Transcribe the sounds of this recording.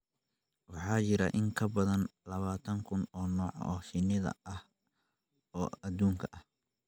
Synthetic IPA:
wɑħɑːt͡ʃɪɾɐ̰ʔɪŋkʰɐbɐðɐnlɐβaːt̪ʰɐŋkʰʊnɔːnɔːʕɔːʃɪnɪðɐ̰ɐh | ɔːɐd̪uːŋkʰɐʔɐh

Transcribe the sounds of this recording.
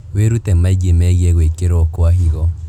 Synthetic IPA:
weɾutɛmaiɡemɛɣiɛɣwekeɾokoahiɣɔ

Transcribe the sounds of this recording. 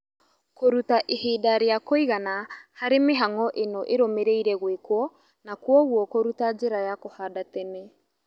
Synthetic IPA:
koɾutaʔeheːdaɾeakoiɣanahaɾemeɦaŋɔʔenoʔeɾomeɾeiɾɛɣwekwɔ | nakwɔɣwɔkoɾutad͡ʒeɾajakohadatɛnɛ

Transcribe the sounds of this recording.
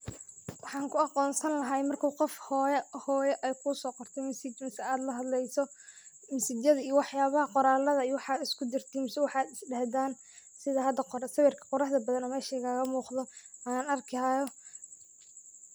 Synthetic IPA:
wɑħɑːŋkʰʊɑqɔːnsɐnlɐɦɐjmɐrkʰuwqɔfhjhɔːjɛʔɛjkʰʊsɔːqɔrt̪ʰɛjmɪsɪt͡ʃmɐsɛaːd̪lɐɦɐd̪lɛjsɔ | mɪsɪd͡ʒjɐðɐijɔwɑħjaːβɐhɐqɔɾaːlɐðɐijwɑħɑːd̪ɪskʰʊd̪ɪrt̪ʰiːmsɛwɑħɑːd̪ɪsɖɐhd̪aːn | sɪðɐɦɐd̪ɐqsɐβɛrkʰɐ̥qɔɾɑħd̪ɐbɐðɐnɔmɛːʃɛɣaːɣɐmuːqðɔ | anɐrkʰɪajɔ

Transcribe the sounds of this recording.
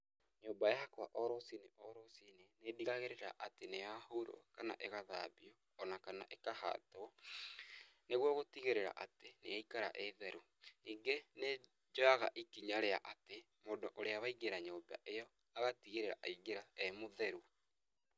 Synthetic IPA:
ɲoːbajahakwa̰ʔɔɾosineʔɔɾosinenediɣaɣeɾeɾa̰ʔateneahoɾo̰kana̰ʔeɣaða̰ːβiɔːnakana̰ʔekaha̰tɔ | neɣwɔɣotiɣeɾeɾa̰ʔateneaikaɾa̰ʔɛðɛɾu | iːŋɡene | d͡ʒoaɣa̰ʔikiɲaɾea̰ʔate | modoʔoɾeawaiɣeɾaɲoːba̰ʔejɔ | aɣatiɣeɾeɾa̰ʔiɡeɾaɛmoðɛɾu

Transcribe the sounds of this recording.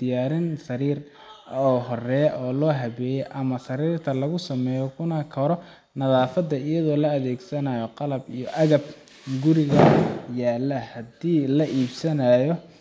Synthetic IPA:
d̪̥ɪjaːɾɪnsɐɾiːr | ɔːɦɔrɛːʔɔːlɔːɦɐβɛːjɛjʔɐmɐsɐɾiːrt̪ʰɐlɐɣʊsɐmɛːjɔkʰʊnɐkʰɐɾɔ | nɐðaːfɐd̪ːɐɪjɐðɔːlɐːðɛːɡsɐnɐjɔqɑlɐbijɔʔɐɣɐb̚ | ɡʊɾɪɣɐjaːlːɐhɐd̪iːlɐʔiːbsɐnɐjɔ

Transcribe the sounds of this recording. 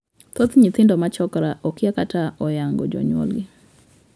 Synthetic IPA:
t̪ot̪ɲɪt̪ɪndɔmat͡ʃɔkɾaʔɔkɪakataɔjaŋɡɔ̰d͡ʒɔ̰ɲwɔ̰lɡɪ

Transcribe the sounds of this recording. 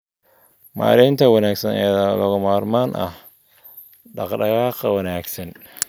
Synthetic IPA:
ma̰ːɾɪːnt̪ʰɐwɐnaːɡsɐnɛjðalɐɣʊmaːrmaːnʔɐ̰h | ɗɑqɗɐɣaːqɐwɐnaːɡsɐn

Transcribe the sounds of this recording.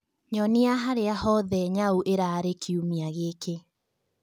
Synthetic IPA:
ɲɔniaɦaɾeahɔðɛɲauʔeɾaɾekʰiumiaɣeːke

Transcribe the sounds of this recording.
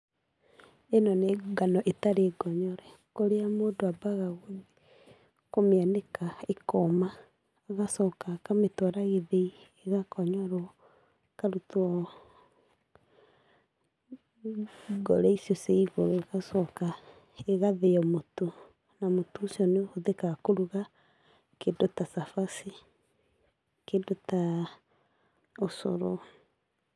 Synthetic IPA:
enɔneɡanɔʔetaɾeːɡɔɲɔɾɛ | koɾeamoːdoabaɣaɣoði | komeanekaekomaː | ɣasɔkakametwɔɾaɣeðeieɣakɔɲɔɾo | kaɾutɔ | ɡɔɾɛisjɔseiɣoɾoɣasɔka | eɣaðeɔmoto | namotoːsiɔneooðekaɣakoɾuɣa | kendotasafasi | kendota | oso̰ɾo

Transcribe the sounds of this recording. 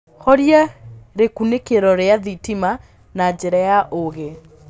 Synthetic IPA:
xɔɾjaɾekunekeɾɔɾeaðitima | nad͡ʑeɾajaʔoɣe

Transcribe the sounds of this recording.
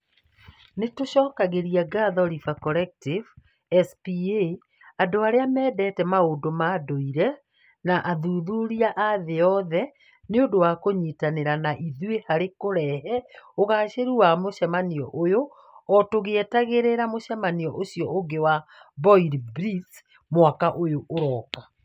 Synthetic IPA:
netoɕɔːkaɣeɾiaɡaðɔɾifakɔɾɛk̚tiv | ɛspie | adoaɾeamɛːdɛːtɛmaodomaːdoiɾɛ | naʔaðuːðuɾiaʔaðeɔðɛ | neodowakoɲitaneɾanaʔiðwehaɾekoɾɛɦɛoɣaɕeɾuwamoʃɛmaniɔ̰ʔojo | ɔtoɣeːtaɣeɾeɾamoʃɛmaniɔʔoɕjɔʔoɡewabɔiɾbɾiθ | mwakaʔojoʔːɾɔːka

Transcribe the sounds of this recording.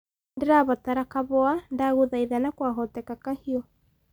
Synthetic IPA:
ndeɾaβataɾakaβɔandaɣuðaiðanakwaɦɔtɛkakahiɔ

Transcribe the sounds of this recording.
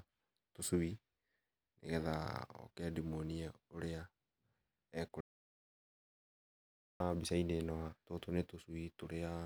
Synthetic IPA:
tosui | nḛɣɛða̰ɔ̰keadimoniaoɾea | ɛko | abisainenɔhatotonetosuitoɾea

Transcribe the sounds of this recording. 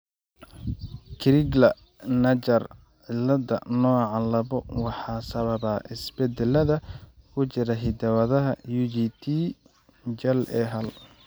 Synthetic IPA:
kʰɪɾɪɡlɐ | nɐt͡ʃɐr | ʕɪlːɐd̪ɐ̰nɔːʕɑlɐβɔwɑħɑːsɐβɐβaːʔɪsbɛd̪ɛlɐðɐkʰʊt͡ʃɪɾɐɦɪd̪ɐwɐðɐɦɐ̰juːd͡ʒit̪ʰi | d͡ʒɐlɛːɦɐl

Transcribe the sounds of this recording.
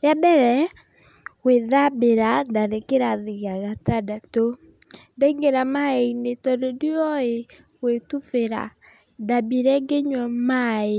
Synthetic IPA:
jabɛɾɛ | weðabeɾadaɾekeɾaðiɣaɣatadato | dɛiŋɡeɾamaenetɔɾediɔe | wetufeɾa̰ | dabiɾɛɡeɲwɔmae

